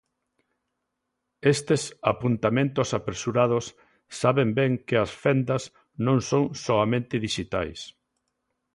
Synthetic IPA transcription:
est̪esapunt̪amẽnt̪ʊsapɾesuɾað̞osː | aβembɛŋkɪɐsfɛnd̪ɐs | nõŋsõŋsoamẽnt̪ɪðiʃit̪ajs

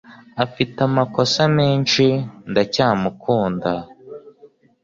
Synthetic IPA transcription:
afitamako̞sameːnʃindacaːmukʰuːnda

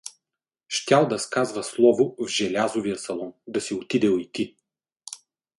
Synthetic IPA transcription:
ʃt̪ʲalˠd̪ɐskazvəslˠɔvʊvʒɛlʲazovijəsɐlˠɔnd̪ɐsiot̪id̪ɛlit̪i

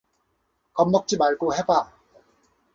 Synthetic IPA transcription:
kʌmːʌk̚t͡ɕ͈imaɭɡoheba

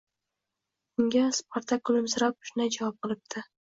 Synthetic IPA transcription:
ʊŋɡʲaspʰaɾt̪ʰakʊlˠɪmzɾak̚ʊ̥ʃɪnad͡ʒavɑp̚qɨlˠɪp̚d̪ʰɪ

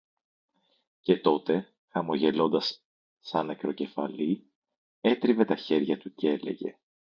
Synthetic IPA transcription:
ce̞t̪o̞t̪e̞ | xɐmo̞ʝe̞lo̞nd̪ɐsː | ɐnekɾo̞ce̞fɐ̰li | e̞t̪ɾive̞t̪ɐçe̞ɾʝɐt̪ucee̞le̞̰ʝe̞̰

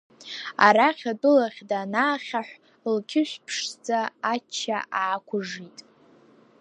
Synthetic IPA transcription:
a̰ɾaχʲadʼʊlaχʲdanaːχʲaħʷ | lkʲʰɪʃʷpʰʂd͡zaat͡ʃʰːaʔaʕːkʷʰʊʐitʼ

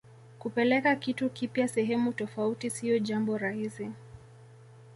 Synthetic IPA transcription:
kupɛlɛkakitukipjasɛɦɛmutɔfautisiɔʄambɔɾahisi

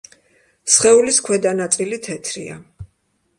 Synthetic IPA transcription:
sχɛuliskʰwɛd̪anat̪sʼilit̪ʰɛt̪ʰɾḭa̰

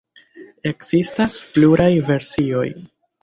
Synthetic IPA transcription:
e̞kz̥istaspluɾajve̞ɾsio̞j

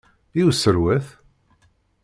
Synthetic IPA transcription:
iwsəɾwæθ

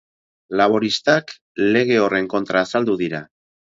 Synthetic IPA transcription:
laβ̞o̞ɾist̪ak | le̞ɣ̞e̞o̞re̞ŋko̞nt̪ɾaːsald̪uðiɾa

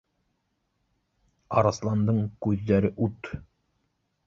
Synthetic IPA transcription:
ɑ̰ɾɑslˠɑnd̪ɤɴkʉðːæɾɘʔut̪

